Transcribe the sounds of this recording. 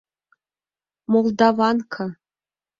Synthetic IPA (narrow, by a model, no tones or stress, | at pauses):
molˠd̪ɑvɑnkʰɤ